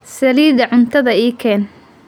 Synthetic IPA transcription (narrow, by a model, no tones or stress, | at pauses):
sɐliːðɐʕʊnt̪ʰɐðɐiːkʰɛːn